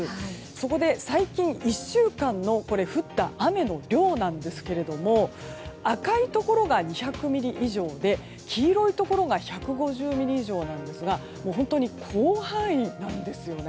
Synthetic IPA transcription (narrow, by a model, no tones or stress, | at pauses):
so̞ko̞d̪e̞saikʲĩɰ̃iɕːɨːkãnːo̞ko̞ɾe̞ɸɯ̟t̪ːaame̞no̞ɾʲo̞ːnãnd̪e̞sɨ̥ke̞ɾe̞d̪o̞mo̞akait̪o̞ko̞ɾo̞ɡaɲ̟içakɯ̟mʲiɾʲiʔiʑo̞ːd̪e̞ | kʲʰiːɾo̞it̪o̞ko̞ɾoɡaçakɯ̟ɡo̞ʑɨːmʲiɾʲiːʑo̞ːnãnd̪e̞sɨɡa | mo̞ːɦõ̞nt̪o̞ɲ̟ikʰoːhãɰ̃ĩnãnd̪e̞sɨjo̞ne